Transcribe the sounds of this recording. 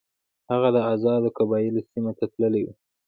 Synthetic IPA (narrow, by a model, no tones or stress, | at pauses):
haɣad̪əazɑd̪okabɑjɪlosimat̪at̪ləlewṵ